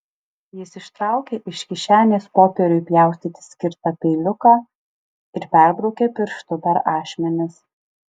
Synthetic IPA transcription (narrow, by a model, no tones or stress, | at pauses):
jɪsɪʃt̪ɾɑˑʊkʲeʔɪʃkʲɪʃʲæːnʲeːspoːpʲɛɾʲʊjpʲjæˑʊsʲt̪ʲiːt̪ʲɪ̥sʲkʲɪɾt̪ɑpʲɛɪlʲʊkɑː | ɪɾpʲæˑɾbɾɔʊkʲeːpʲɪɾʃt̪ʊpʲɛɾɑːʃʲmʲɛnʲɪs